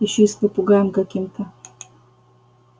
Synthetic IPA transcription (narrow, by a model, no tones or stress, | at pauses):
ɪɕːoispəpʊɡajɪmkɐkʲimt̪ə